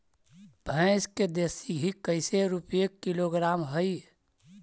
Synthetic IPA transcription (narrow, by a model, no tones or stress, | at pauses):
bʱə̃ɪsked̪esiɦikəɪseɾupijekːiloɡɾamɦəi